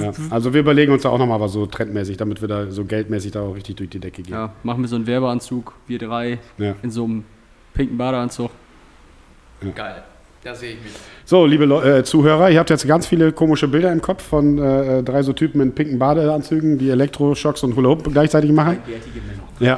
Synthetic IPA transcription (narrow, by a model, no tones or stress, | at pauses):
jaːʔalzoviːɐʔyːbɐleːɡŋ̩ʊnsd̥aːaʊxnɔχmaːlvaːszoːtʁ̥ɛntmɛːsɪçd̥amɪtv̥iːɐdaːzoːɡɛltmɛːsɪçd̥aːʊχʁɪçtɪçd̥ʊɐçd̥iːdɛkəɡeːmaχn̩viːɐzoːnvɛɐbəant͡suːkviːɐdʁaɪjaːɪnzoːm | pʰɪŋkn̩baːɾəant͡suk | jaːɡ̥aɪl | d̥azeːɪçɪçz̥oːliːbəlɔɛːt͡suːɦøːʁɐʔɪːɐhap̚tjɛt͡stɡ̥ant͡sfiːləkʰoːmɪʃəbɪldɐɪmkʰɔp͡fːɔnɛɛːdʁaɪzoːtʰyːpm̩ɪnpʰɪŋkn̩baːɾəant͡syːɡŋ̩diːelɛk̚tʁ̥oʃɔksʊnthoːləʊpɡlaɪçt͡saɪtɪçmaχn̩ | jaː